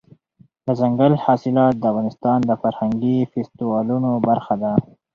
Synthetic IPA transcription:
d̪əzaŋɡalhɑsɪlɑt̪̚d̪əafɣɑnɪst̪ɑnd̪əfaɾhaŋɡifest̪iwɑlunobaɾxad̪a

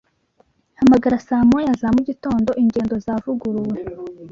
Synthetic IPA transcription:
hamaɡaɾasaːmojazamuɟito̞ːndo̞ʔiɲɟe̞ːndo̞zaːvuɡuɾuwe̞

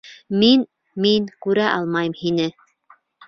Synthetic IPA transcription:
min | minkʉɾæʔɑ̰lˠmɑjɤmhinɘ

